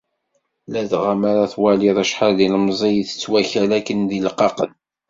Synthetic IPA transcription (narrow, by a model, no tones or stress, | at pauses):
læðʁamaɾaθwæliðˤæʃħaɾðiləmzˤijθə̥t͡sːwæçælækənðilqɑqən